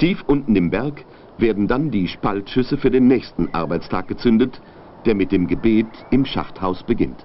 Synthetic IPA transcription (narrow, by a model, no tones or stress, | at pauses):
tʰiːfʔʊntn̩ɪmbɛɐk | veːɐdn̩dandiːʃpaltʃʏsəfyːɐdeːnːɛːçstn̩ʔa̰ɐbaɪt͡stʰa̰ːk̚ɡ̥ət͡sʏndət | d̥eːɐmɪt̚d̥eːmɡəbeːtɪmʃa̰fthaʊsb̥əɡɪ̰nt